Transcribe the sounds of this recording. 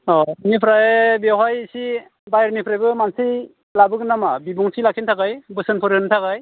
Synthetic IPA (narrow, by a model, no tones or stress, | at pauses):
ɔnipʰɾajebeɦajsi | bajɾnipʰɾajbɯmansij | labɯknamabibuŋsʰilakʰintʰakajbɯsɯnpʰɯɾɯntʰakaj